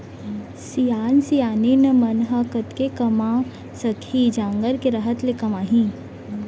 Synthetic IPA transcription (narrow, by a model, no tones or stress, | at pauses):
sijaːnsijaːninɐmɐnɦɐkɐt̪kekɐma | sɐkʰid͡ʒãːŋɡəɾkeɾəɦət̪lekɐmaːɦĩ